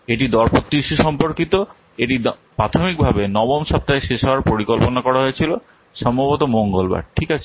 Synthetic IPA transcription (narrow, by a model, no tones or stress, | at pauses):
eʈid̪ɔɾpot̪ːiʃuʃɔmpoɾkit̪o | eʈipɾat̪ʰomik̚bʱabenɔbomʃɔp̚t̪aeʃeʃaoaɾpoɾikolponakɔɾaɦoet͡ɕʰilo | ʃɔmbʱabot̪̬omoŋɡolba̰ɾʈʰikat͡ɕʰe